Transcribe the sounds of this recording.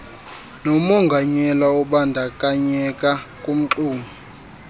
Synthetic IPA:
nɔmɔŋɡʱaɲɛlaɔɓandʱakʼaɲɛkʼakʼum̩ǃuːmʱi

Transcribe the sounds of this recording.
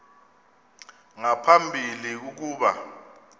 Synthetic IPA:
ŋapʰambʱiliuk̬uːɓa̰

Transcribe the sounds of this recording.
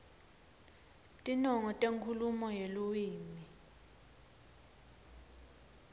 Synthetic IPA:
tʼinɔŋɔtʼeŋkʰulumɔjeluwiːmi

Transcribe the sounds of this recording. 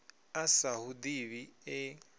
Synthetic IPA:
asahud̪iβiɛ

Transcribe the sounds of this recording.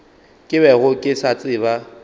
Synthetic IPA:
kʼɪβɛɣʊkʼɪsat͡sʼɪːβa

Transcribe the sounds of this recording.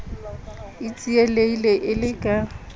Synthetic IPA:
it͡sʼieleileʔɪlɪkʼa

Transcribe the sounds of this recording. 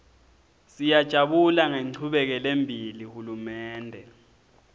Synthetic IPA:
sijad̥ʒ̥ʱaɓulaŋeŋ͡ǃʰuɓɛk̬ɛlembʱilihulumɛːndʱɛ

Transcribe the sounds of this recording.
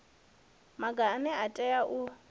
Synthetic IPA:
maɡanɛatʼɛjaʔu

